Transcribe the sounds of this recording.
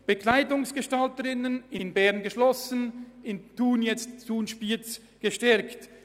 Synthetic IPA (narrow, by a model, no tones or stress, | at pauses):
b̥əkʰlaɪdʊŋsɡ̥əʃtaltəʁɪnənɪnbɛʁnɡəʃlɔsənɪntuːnjɛt͡stt͡suːnʃpiːt͡s | ɡ̥əʃtɛɾkt